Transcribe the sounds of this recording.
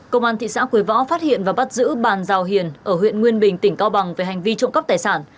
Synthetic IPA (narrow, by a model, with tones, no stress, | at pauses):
kə˧wŋ͡mʔaː˧nt̪ʰḭ˧˨sa̰ː˧˥ku˨˩ə˦jvɔ̰˧˥faː˦˥t̚hḭ˧˨ənvaː˨˩ɓa˦˥t̚zɨ̰˧˥ɓaː˨˩nzaː˨˩wɦi˨˩ənʔəː˧˩hwḭ˧˨ənŋwi˧ənɓï˨˩ŋ̟t̪ï˧˩ŋ̟ka˧wɓa˨˩ŋve˨˩ha˨˩jŋ̟vi˧t͡ɕʊ̰˧˨ŋ͡mkə˦˥p̚t̪aː˨˩jsaː˧˩n